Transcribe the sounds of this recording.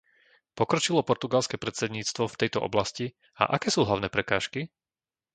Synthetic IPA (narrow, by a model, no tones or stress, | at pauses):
pɔkɾɔt͡ʃilɔpɔɾt̪uɡalskɛːpɾɛt̪t͡sɛd̪ɲiːt͡st̪ʋɔft̪ɛjt̪ɔʔɔ̰blasci | a̰ʔakɛːsuːɦlaʊnɛːpɾɛkaːʃki